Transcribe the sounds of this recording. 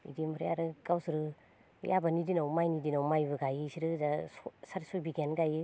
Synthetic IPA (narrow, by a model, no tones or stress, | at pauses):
ḭdimʰɾjaɾɯɡawsɯɾɯ̰ | jʔabanidinawmajnidinawmajbɯɡajɯsiɾɯzassaɾsɔjbiɡenɡajɯ